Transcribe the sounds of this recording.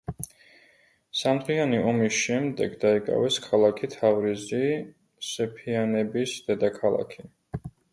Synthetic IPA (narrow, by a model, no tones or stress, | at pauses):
samt̪ʰɾianiɔmisʃɛmd̪ɛ̰ɡd̪aikʼa̰vɛskʰalˠakʰit̪ʰavɾizi | sɛpʰianɛbisd̪̥ɛd̪akʰalˠa̰kʰi